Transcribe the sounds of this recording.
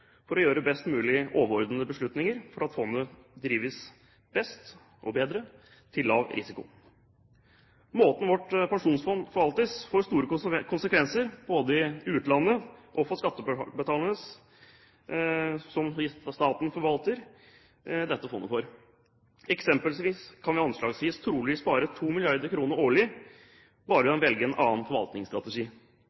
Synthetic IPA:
fɔɾɔjøːɾəbɛst̪mʉːlɪʔoːʋəɾɔɾd̪ən̩əbəʂɭʉt̪nɪŋəɾfɔɾɑt̪fɔnːəd̪ɾiːʋəs | b̥ɛst̪ | ʔɔbeːd̪ɾə | t̪ʰɪlːɑ̰ːʋɾʔɪ̰sɪkʊ̰ | moːt̪n̩ʋɔʈpɛŋʂuːnsfɔnfɔɾʋɑlt̪əsfoːɾst̪uːɾəkʰʊnsəkʋɛnsəɾb̥oːd̪əɪʉːt̪lɑnːəʔɔfɔːʂkɑt̪ːəbət̪ʰɑːlənəs | sɔmɪst̪ɑːt̪n̩fɔɾʋɑlt̪əɾ | d̪ɛt̪ːəfɔ̰nːʔə̰foːɾ | ɛksɛmpəlsʋiːskʰɑnʋɪɑnʂlɑːɡsʋiːst̪ʰɾuːləʋiːspɑːɾət̪ʰuːmɪlɪɑɾd̪əɾkʰɾuːnəɾoːɭɪ | bɑːɾəʋɑnʋɛlɡəɛnʔɑ̰ːnfɔɾʋɑ̰lt̪nɪŋst̪ɾɑt̪ɛʂiː

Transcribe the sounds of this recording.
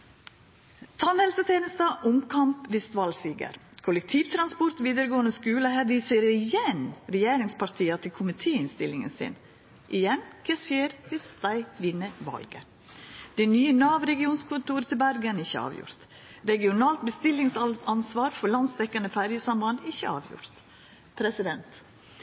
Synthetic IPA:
t̪ʰɑnɛlsət̪ʰeːnəsd̪ɑːʔʊmkʰɑmpʋ̪ɪst̪ʋɑlsiːɡə̰ɾkʰʊlək̚t̪ʰiːʋt̪ʰɾɑnspɔɾt̪ʋiːd̪əɾəɡoːənəskʉːləhæʋiːsəɾəɾɪjɛnɾɛjeːɾɪŋspʰɑɾt̪ʰiːɑt̪ʰɪlkʰʊmɪt̪ʰeːɪnst̪ɪlːɪŋə̰nsɪ̰n | ʔɪjɛnkʰeːsjeːɾʋɪsd̪̥æɪʋɪnːəʋɑ̰lɡə̰ | d̪̥ɛɪnyːənɑːʋɾɛɡɪuːnskʰʊnt̪uːɾət̪ʰɪlbæɾɡənɪçəɑ̰ːʋjʊ̰ɾt̪ | ɾɛɡɪʊnɑːlt̪bəst̪ɪlɪŋsɑnsʋɑːɾfɔɾlɑnsd̪ɛkːənəfæɾjəsɑmbɑnɪçə̰ɑ̰ːʋjʊ̰ɾt̪ | pʰɾɛsɪd̪ɛnt̪

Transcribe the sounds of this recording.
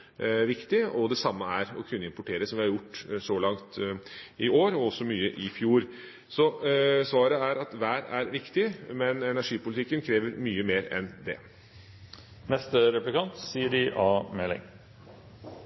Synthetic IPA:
ʋɪkt̪ɪɔd̪ɛsɑmːəæɾɔkʰʉnːəɪmpʊʈʰeːɾəsɔmʋɪhɑɾjʊʈːsɔlɑŋt̪ɪoːɾɔɔsɔmyːəʔɪfjuːɾ | sɔsʋɑːɾəæɾɑt̪ʋæːɾæɾʋɪkt̪ɪmɛnɛnæʂiːpʊlɪt̪ʰɪkːənkʰɾeːʋəɾmyːəmeːɾɛ̰nd̪ɛ̰ | mɛst̪ɾɛplɪkʰɑnt̪siːəɖɪʔɑːmɛlːɪ̰ŋ

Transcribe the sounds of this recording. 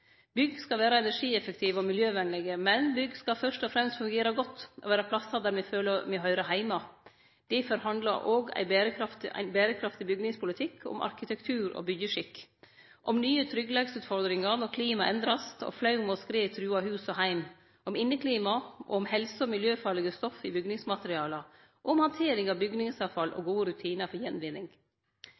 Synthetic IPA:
bʏɡskɑʋæːɾɑɛnæʂiːɛfəkt̪ʰiːʋɔmɪljøːʋɛnlɛɡəmɛnbʏɡskɑfœʂʈɔfɾɛmst̪fʉŋɡeːɾɑɡɔt̪ːʔɔʋæːɾɑpʰlɑsːɑd̪æːɾmɛføːləmɛɦœʏɾɑɦæɪmɑ | d̪̥ɛfɔɾhɑnd̪lɑ̰ɾʔoːɡæ̰ɪbæːɾəkʰɾɑft̪æ̰ɪnbæːɾəkʰɾɑft̪ɪbʏɡnɪŋspʰʊlɪt̪ʰɪkʰːɔ̰mʔɑ̰ɾkɪt̪ɛkt̪ʰʉːɾɔ̰bʏɡjəʂɪkːʔɔmnyːət̪ʰɾʏɡlɑɡsʉːt̪fɔɾd̪ɾɪŋɑɾnɔɾkʰliːmɑʔɛnd̪ɾɑst̪ɔ̰flɑʉmɔskɾeːt̪ʰɾʉːɑhʉːsɔɦæɪm | ɔmɪnːəkʰliːmɑʔɔɔmhɛlsəɔmɪljøːfɑːɭɛɡəst̪ɔfɪbʏɡnɪŋsmɑt̪əɾɪɑːlə | ʔɔmhɑnt̪ʰeːɾɪŋɑʋbʏɡnɪŋsɑʋfɑlʔɔ̰ɡuːəɾʉt̪ʰiːnəfɔɾjɛnʋɪnːɪŋ

